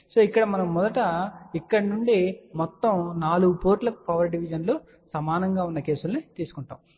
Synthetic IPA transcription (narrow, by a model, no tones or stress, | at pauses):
so̞ːikːɐɽɐmɐnɐmːɔd̪ɐʈɐikːɐɽɐnuɳɖimɔt̪ːɐmnaːluɡupoːɾʈlɐku̥pɐʋɐɾɖiʋid͡ʒɐnloː | sɐmaːnɐŋɡaːunːɐke̞ːsulnit̪iːsu̥kuɳʈa̰ːm